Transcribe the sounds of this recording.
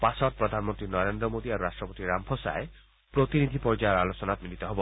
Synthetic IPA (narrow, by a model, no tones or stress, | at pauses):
pasɔt̪̚pɾɔd̪ʱanmɔnt̪ɾinɔɾend̪ɾɔmod̪iaɾuɾaʃʈɾɔpot̪iɾampʰosa̰e | pɾot̪inid̪ʱipɔɾd͡ʒajɾalot͡ʃɔnat̪milit̪ɔɦɔbo